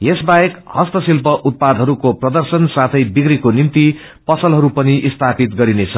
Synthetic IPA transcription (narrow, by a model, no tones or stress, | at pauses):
jesbaekhʌst̪ʌsilpʌʔut̪̚pad̪ʱɦʌɾukoprʌd̪ʌrsʌnsat̪ʰʌjbikrikonint̪i | pʌsʌlɦʌɾupʌniʔist̪ʰapit̪ɡʌɾinet͡sʰʌ